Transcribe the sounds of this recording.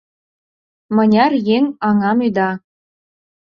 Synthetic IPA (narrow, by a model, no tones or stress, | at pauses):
mɤ̆nʲɑrjeŋɑŋɑmyd̪ɑ